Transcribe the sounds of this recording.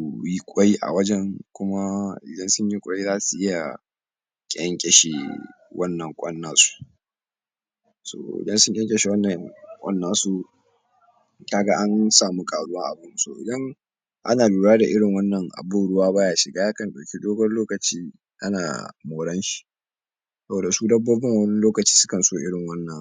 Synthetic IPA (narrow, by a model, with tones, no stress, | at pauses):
ji˦kʷʼɔ˦ji˦ʔa̰˨wɐ˦d͡ʒɛ˦ŋkʷʊ˦ma˦ʔɪ̰˨dɐ˦nsʊ˦ɲji˦kʷʼɔ˦ji˦zaː˦su˨ʔɪ˦ja̰˨ | kʲʼɛ˦ŋkʲʼɛ˨ʃḭ˨ | wʔɐ˦nːɐ˨ŋkʷʼɐ˦nːaː˨su̥˦ | so̰ː˨ʔɪ̰˨dɐ˦nsʊ˦ŋkʲʼɛ˦ŋkʲʼɛ˨ʃi˨wɐ˦nːɐ˨ŋkʷʼɐ̰˦nːaː˨su˦ | kaː˦ɡa˦ʔa˦nsaː˨mu˦kʼaː˨ɽʊ˦wa˦ŋʔa̰˨bʊ˦nsoː˦˨ʔɪ̰˨dɐ˦ŋ | ʔa̰˦naː˨luː˨ɽaː˦da˨ʔɪ˦ɽɪ˨ŋwɐ˦nːɐ˨ŋʔa̰˨boː˦˨ɽʊ˦waː˦baː˦jaː˨ʃɪ˨ɡaː˦ja˦kɐ˨nɗɐ˨kʲi˦doː˦ɡɔ˦nloː˦kɐ˨t͡ʃiː˦ | ʔa˦na̰ː˨moː˨ɽɐ˦nʃi̥˨ | sɐ˦boː˨da˨suː˦dɐ˦boː˦bɪ˦ŋwɐ˦nɪ˦loː˦kɐ˨t͡ʃiː˦sʊ˦kɐ˨nsoː˦ʔɪ˦ɽɪ˨ŋwɐ˦nːɐ˨